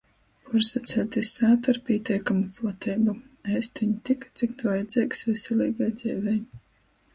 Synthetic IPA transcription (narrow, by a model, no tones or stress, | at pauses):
puɾsat̪sɛlt̪ʲesaːt̪aɾpʲiɛt̪ʲiɛkamupˠɔt̪ʰɛjbu | ɛst̪viɲit̪ikḁt̪sʲiknuvajd̪zʲɛːksvɛsʲɛlʲiːɡajd̪z̥ʲɛːvʲɛj